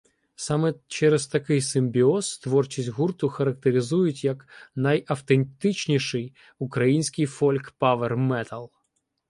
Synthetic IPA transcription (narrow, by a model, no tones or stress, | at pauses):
sɑmɛt͡ʃɛɾest̪ɐkɪjsɪmʲbʲiɔst̪ʋɔrt͡ʃisʲtʲɦurt̪ʊxɐɾɐk̚t̪eɾʲɪzujʊtʲjɐknɐjɐwt̪ent̪ɪt͡ʃnʲiʃɪj | ukɾɐjinʲsʲkɪjfɔlʲkpɑʋermɛt̪ɐlˠ